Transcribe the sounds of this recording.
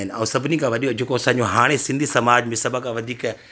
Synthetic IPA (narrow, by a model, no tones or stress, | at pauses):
ɪnɪ̆ɛ̰̃ːsɐbʱɪnikʰãʋɐɗijod͡ʑeːkoɐsãɲ̆d͡ʑoɦaːɽ̃esɪ̃nd̪ʱisɐmaːd͡ʑmẽsɐbʱakãʋɐd̪ʱiːk